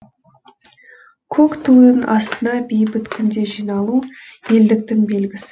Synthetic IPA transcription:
kʲʰokt̪ʰud̪ənɑ̰st̪ənɑbejbɪt̪kʲʰʏnd̪e̞ʒijnɑlˠuje̞ld̪ɪk̚t̪ɪŋbe̞lɡʲɪsɪ̥

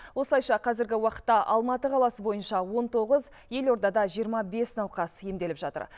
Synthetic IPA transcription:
wo̞səlˠɑjʃɑqʰɑzɪɾɡʲɪwɑqə̥t̪ːɑʔɑlˠmɑt̪əqʰɑlˠɑsəbo̞jənʃɑwo̞nt̪ʰo̞ʁəz | je̞lo̞ɾd̪ɑd̪ɑʒijəɾmɑbe̞snɑwqɑsje̞md̪e̞lɪpʒɑt̪ə̰ɾ

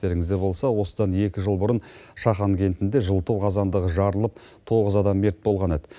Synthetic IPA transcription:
e̞ɾɪŋɪzd̪ebo̞lˠsɑwo̞səd̪ɑne̞kʲɪʒəlˠbʊɾənʃɑχɑŋkʲʰe̞nt̪ɪnd̪eʒəlˠt̪əwqʰɑzɑnd̪əʁəʒɑɾəlˠəp̚ | t̪ʰo̞ʁəzɑd̪ɑmːe̞ɾt̪̚bo̞lˠʁɑned̪ɪ

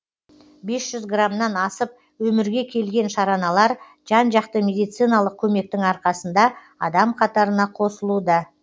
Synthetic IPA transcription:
be̞sʒ̥ʏzɡramnɑnɑsəp̚ | wɵmɪɾɡʲe̞kʲʰe̞lɡʲe̞nʃɑɾɑnɑlˠɑɾ | ʒ̥ɑnʒɑqt̪əmʲe̞d̪ijt̪sɨjnɑlˠəq̚kʲʰɵme̞k̚t̪ɪŋɑɾqɑsənd̪ɑ | ɑd̪ɑmqʰɑt̪ɑɾənɑqʰo̞səlˠud̪ɑ

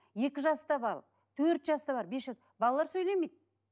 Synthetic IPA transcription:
je̞kʲɪʒɑst̪ɑbɑɾ | t̪ʰɵɾt̪ʒɑst̪ɑbɑɾbesʒɑs | bɑlˠɑlˠɑɾsɵjlemejd̪̚

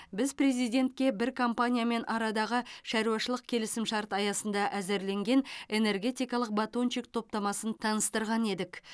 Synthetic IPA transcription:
bɪzpre̞zijd̪ʲe̞nt̪kʲe̞bɪɾkʰompanʲijame̞nʔɑɾɑd̪ɑʁəʃæɾuɑʃəlˠəq̚kʲʰe̞lɪsɪmʃɑɾt̪ɑjɑsənd̪ɑʔæzeɾle̞ŋɡʲe̞ne̞ne̞rɡʲe̞t̪ijkɑlˠəq̚bat̪ont͡ʃik̚t̪ʰo̞p̚t̪ɑmɑsənt̪ʰɑnəst̪əɾʁɑne̞d̪ɪk

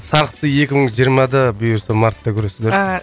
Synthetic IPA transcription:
sɑɾəqt̪əje̞kʲɪməɴʒijəɾmɑd̪ɑbijɾsəmɑɾt̪ːɑkʲʰʏɾe̞sɪzd̪e

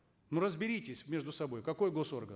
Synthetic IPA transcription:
nuɾəzbʲɪɾʲitʲɪsʲmʲe̞ʐd̪ʊsɐbo̞jkɐko̞jɡo̞so̞rɡən

